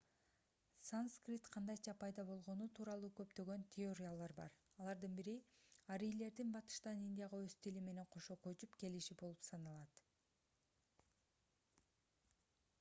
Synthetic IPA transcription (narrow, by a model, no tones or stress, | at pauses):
sanskrʲit̪qʰɑnd̪ɑjt͡ʃʰɑpʰɑjd̪ɑbo̞lˠʁo̞nut̪ʰuːɾɑlˠuːkø̞pt̪ø̞ɡø̞nt̪ʲʰeoɾʲijalˠɑɾbɑ̰ɾ | ɑlˠɑɾd̪ɯnbiɾiɑɾijle̞ɾd̪inbɑt̪ɯ̥ʃt̪ɑninʲd̪ʲijaʁɑøst̪ilime̞ne̞ɴqʰo̞ʃo̞ːkøt͡ʃypke̞liʃibo̞lˠupsɑnɑlˠɑt̪